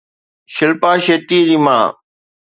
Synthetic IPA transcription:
ʃɪlpaːʃeːt̪iːd͡ʑiːmã̰ː

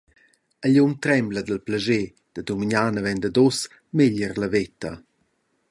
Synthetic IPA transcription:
əʎunt̪ɾɛmbləd̪əlplaʒe | d̪̥əd̪umiɲanəvɛnd̪əd̪ɔs | meʎərləvet̪ə

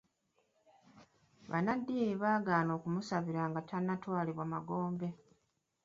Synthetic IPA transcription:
βa̰nadːiːiβaːɡaːno̞ːkumusaβiɾaːŋɡatanːatwaːliβwamaɡo̞ːmbe̞

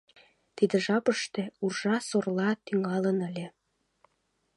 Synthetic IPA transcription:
t̪id̪ə̆ʒɑpəʃt̪ĕurʒɑsorlɑt̪yŋɑlənəlʲĕ

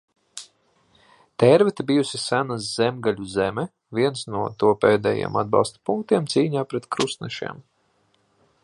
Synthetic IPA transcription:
t̪ɛɾvɛt̪bijusisænas̬zɛmɡalʲuzɛmɛ | viɛnsnuɔt̪uɔpɛːd̪ɛ̰jḛɛmad̪̚bɑ̰lˠst̪u̥puŋk̚t̪iɛmt̪siːɲaːpɾɛt̪kɾusnɛʃḭɛm

